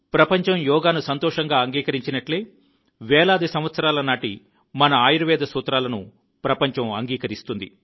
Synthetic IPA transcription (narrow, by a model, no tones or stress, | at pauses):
pɾɐpɐɲt͡ʃɐmjɔːɡaːnusɐnt̪ɔːʂɐŋɡaːɐŋɡiːkɐɾiɲt͡ʃinɐʈleː | ʋɛːlaːd̪isɐm̃ʋɐt̪sɐɾaːlɐnaːʈi | mɐnɐaːjiɾɐʋɛːd̪ɐsuːt̪ɾaːlɐnu | pɾɐpɐɲt͡ʃɐmɐŋɡiːkɐɾist̪und̪ḭ